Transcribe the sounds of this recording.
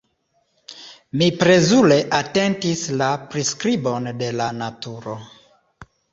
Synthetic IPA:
mipɾe̞zule̞ʔate̞ntislapɾiskɾibo̞nde̞lanatuɾo

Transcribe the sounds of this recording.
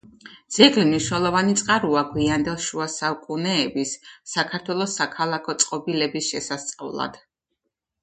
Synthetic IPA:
d̪z̥ɛɡlimniʃwnɛlˠɔvanit̪sʼqʼaɾuaɡwiand̪ɛlˠʃuasaukʼunɛːbisːakʰaɾt̪ʰwɛlˠɔsakʰalˠakʰɔt̪sʼqʼɔbilɛbisʃɛsast̪sʼa̰vlˠa̰d̪̥

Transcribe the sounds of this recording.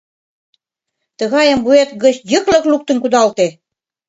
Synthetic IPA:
t̪ɤ̆ɣɑjə̆mbuet̪ɣə̆t͡ɕjəklɤ̆kluk̚t̪ə̆nkud̪ɑlt̪e

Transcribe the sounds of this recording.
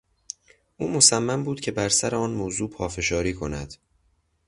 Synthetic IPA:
ʔuːmo̞sæmːæmbuːd̪̥cʰe̞bæɾsæɾeɒːnmoːzuːpʰɒːfe̞ʃɒːɾiːkʰo̞næd̪̥

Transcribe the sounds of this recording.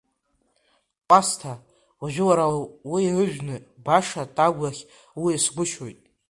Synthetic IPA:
pʼastʰa | waʒᶣɪwaɾawirɨʒᶣnɨbaʂatʼaɡʷlaχʲ | wiasɡʷʊʃojtʼ

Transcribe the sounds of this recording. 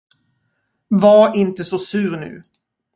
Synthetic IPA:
vaɾɪnt̪əsɔsʉ̟ːɾnʉ̟̰ː

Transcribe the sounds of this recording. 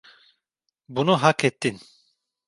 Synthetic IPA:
bunuɦakɛt̪ːin

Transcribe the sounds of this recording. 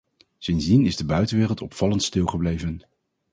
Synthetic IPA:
sɪnzdinɪzdəbœɥtənʋɪːrəlˠtɔpfɑləntstɪlˠχəblejvən

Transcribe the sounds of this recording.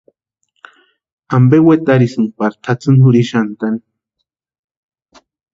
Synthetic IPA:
ambewet̪aɾisɨnpaɾt̪ʰat͡sɨnhuɾiʃant̪ani

